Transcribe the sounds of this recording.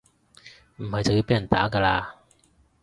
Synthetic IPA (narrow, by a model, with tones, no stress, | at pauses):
m̩˨˩hɐ˨jt͡sa˨wji˧˥peː˨˥jɐ˨˩nt̪a̰ː˨˥kaː˧laː˧